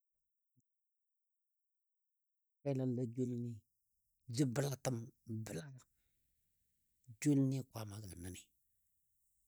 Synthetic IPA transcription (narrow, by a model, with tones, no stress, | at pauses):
ka˦la˦n˨la˦d͡ʒo˦lni˦ | d͡ʒi˦bə˦la˦tə˦mbə˦la˦ja˦˨ | d͡ʒo˦lni˦˨kwa˨˦ma˨ɡə˨la˨nə˦ni˨